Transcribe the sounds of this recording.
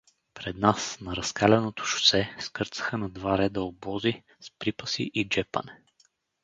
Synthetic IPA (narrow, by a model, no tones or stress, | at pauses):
pɾɛd̪nasnɐɾɐskalʲɛnot̪o̥ʃʊ̥sɛskɤɾt̪sə̥xənɐd̪vaɾɛd̪əobɔzi | spɾipəsḭʔid͡ʒɛpə̰nɛ